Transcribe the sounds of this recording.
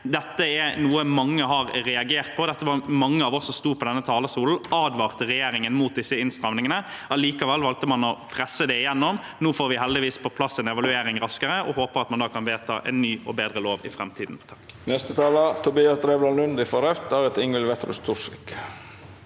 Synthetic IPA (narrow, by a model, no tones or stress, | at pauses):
d̪ɛt̪ːəɛnuːəmɑŋːəhɑɾɾɛɑɡeːʁt̪̚pʰɔd̪ɛt̪ːəʋɑmɑŋːəɑːʋɔsːɔmst̪uːpʰɔd̪ɛnːət̪ʰɑːləsuːln̩ʔɑːd̪ʋɑːʁt̪əʁɛjeːɾɪŋənmuːt̪̚d̪ɪsːəɪnst̪ɾɑmnɪŋənə | ɑliːkɑʋɛlːʋɑlt̪əmɑnɔpʰɾɛsːəd̪ɛɪjɛnːɔmnuːfoːɾʋɪhɛld̪ɪʋiːspʰɔpʰlɑsːɛnɛʋɑlʉeːɾɪŋɾɑskəɾəʔɔ̰hoːpəɾɑt̪mɑnd̪ɑːkʰɑnʋeːt̪ʰɑ̰ʔɛ̰nːyːɔbeːd̪ɾəloːʋɪ̰fɾɛmt̪ʰiːd̪n̩t̪ʰɑ̥k | nɛst̪ət̪ʰɑːlɑt̪ʰʊbiːɑsd̪ɾeːblɑːnlʉnd̪ɪfɔɾœft̪æːɾət̪ɪŋəlʋɛt̪ɾʉ̰st̪ʰusɪk